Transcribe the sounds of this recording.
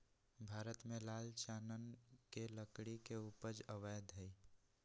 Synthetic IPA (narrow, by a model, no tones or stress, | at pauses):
bʱaːɾət̪mẽlaːlt͡ʃaːnənkeləkɽikeupəd͡ʒəʋəjd̪ɦəi